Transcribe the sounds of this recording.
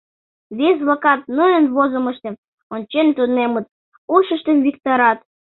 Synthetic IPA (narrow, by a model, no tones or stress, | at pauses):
βesβlɑkɑt̪̚nujə̆nβozə̆mə̆ʃt̪ĕ | onʲt͡ɕent̪unemə̆t̪̚ | uʃə̆ʃt̪ĕmvʲikt̪oɾɑt̪